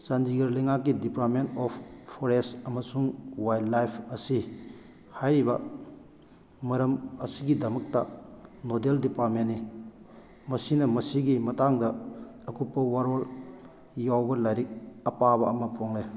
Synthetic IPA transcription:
sandiɡɐɾlejŋakːidipaɾt̚mentɔpʰːɔɾestɐmɐsuŋwajdlajpʰɐsi | hajɾibɐ̰ | mɐɾɐmɐsiɡidɐmɐk̚tanodeldipaɾt̚menːi | mɐsinɐmɐsiɡimɐtaŋdɐː | kupːɐwaɾol | jawbɐlajɾik̚ɐpabɐɐmɐpʰoŋle

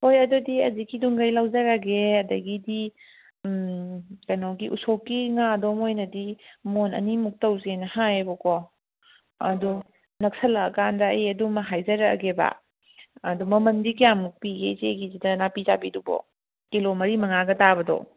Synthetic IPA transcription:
hojɐdudiɐzikiduŋɡɐjlawzɐɾaɡeɐdɐɡidi | kɐnowɡiʔusokːiŋadɔmojnɐdimonɐ̰nimuk̚tɐwzenɐhajbɔkɔ | ɐ̰du | nɐk̚sɐlɐːkandɐjɐdumɐɦajzɐɾɐ̰ɡeba̰ | ɐdumɐmɐndikijamuk̚piɡezeɡizidɐnapizabidubɔ̰ | kilomɐɾimɐŋaɡɐtabɐdɔ̰

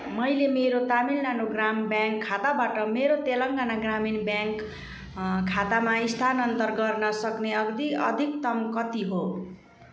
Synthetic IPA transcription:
mʌjlemeɾot̪amilnanoɡrambjaŋkʰːat̪abaʈʌmeɾot̪elʌŋɡanaɡraminbjaŋkʰː | at̪amaist̪ʰanʌnt̪ʌrɡʌrnʌsʌkneʌɡd̪iʌ̰d̪ʱik̚t̪ʌmkʌt̪iɦo

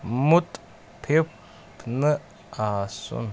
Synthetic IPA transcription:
mut̪ʼ | pʰep | pʰnɨ | asṵn

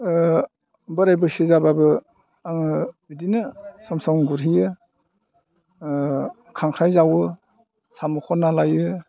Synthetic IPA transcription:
bɯɾajbɯsizababɯ | ŋbidinɯsɔmsɔŋɡuɾɦijɯ | kʰaŋkʰɾajzawɯ | samukʰɔnːalajɯ

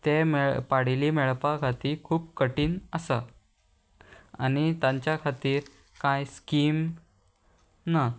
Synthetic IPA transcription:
t̪emepaɽ̤iliːmɛɭpakʰat̪iːkʰuːpkəʈiːnəsa | a̰nit̪ãɲt͡ɕjakʰat̪iːɾ | kãjskiːm | na

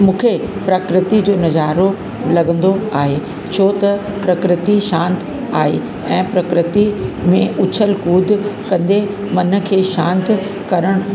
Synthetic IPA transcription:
mũːkʰepɾɐkɾɪt̪id͡ʑoːnɐzaːɾo | lɐɡə̃nd̪oaːɦe | t͡ɕʰoːt̪ɐpɾɐkɾɪt̪iʃãːnt̪ | aːɦe | ɛ̃ːpɾɐkɾɪt̪imẽʔʊt͡ɕʰəlkuːd̪ʱkɐ̃nd̪e | mɐnə̆kʰeːʃãːnt̪ | kɐɾəɽ̃ʊ

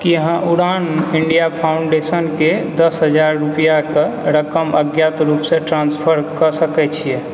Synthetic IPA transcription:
kiəɦə̃ʔuɽaniɳɖijapʰaʊuɳɖesənked̪əsɦəd͡ʒaɾːupijakeɾəkəməɡjat̪ɾupsẽʈɾãnspʰəɾkəsəkɛt͡ʃʰijɛ

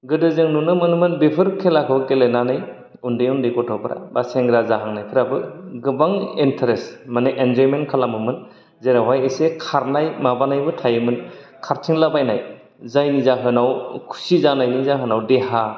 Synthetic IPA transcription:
ɡɯdɯzɯŋnunɯmɯnmɯnbepʰɯɾkʰelakʰɯwkelenanɯj | undɯjundɯkɔtʰɔpʰɯɾa̰baseŋɡɾazaɦaŋnajkʰɯɾabɯɡɯbaŋentʰaɾesmaneʔenzɔjmenkʰalamɯmɯn | zeɾawajesekʰaɾnajmabanajbɯtʰajɯmɯn | kʰaɾtʰiŋlabajnaj | zajnizaɦɯnawkʰu̥sizanajnizaɦɯnawdeha

